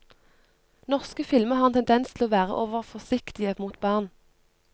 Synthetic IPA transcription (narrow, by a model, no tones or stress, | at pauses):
nɔʁskəfɪlməʁɑːʁɛnt̪ʰɛnd̪ɛnst̪ʰɪl̩oːʋæːʁə̰ʔoːʋəʁfɔsɪkt̪ɪəmuːt̪bɑːʁn